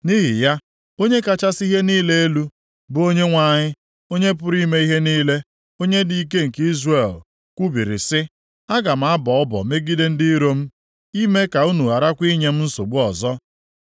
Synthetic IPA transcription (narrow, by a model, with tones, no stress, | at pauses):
ni˦ɦi˨ja˦ | o˦ɲe˦ka˨t͡ʃa˦si˦ɦe˦niː˦le˦e˦lu˦ | bʊ˨o˦ɲe˦ŋʷa˨ɲɪ˦ | o˦ɲe˦p̬ʊ˦ɾi˦me˦i˦ɦe˦niː˦le˦ | o˦ɲe˦di˦˨i˦k̬e˦ŋ̩˨ki˦zre˨l | kʷu˦bi˨ɾɪ̰˨sɪ˦ | a˦ɡa˨m̩˨˦a˦bɔ˨ɔ˦bɔ̰˨me˦ɡi˦de˦n̩˦di˦ɾo˦m̩˦ | i˦me˦ka˨u˦nu˨a˨ɾa˦kʷi˦ɲe˨m̩˦n̩˦so̰˨ɡ͡bu˦ɔ˨zɔ˦